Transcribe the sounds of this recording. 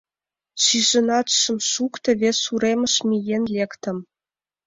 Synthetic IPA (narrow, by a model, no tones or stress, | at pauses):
ʂiʐɤ̆nɑt̪ʃɤ̆mʂukt̪ə̆βʲesuɾemʲə̆ʃmʲijenlʲekt̪ə̆m